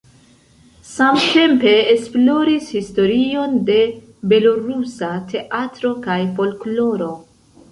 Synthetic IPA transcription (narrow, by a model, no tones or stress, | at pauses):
samte̞mpe̞ːsplo̞ɾishisto̞ɾio̞nde̞ | be̞loɾusatʰe̞ʔatɾo̞kajfo̞lklo̞ɾo̞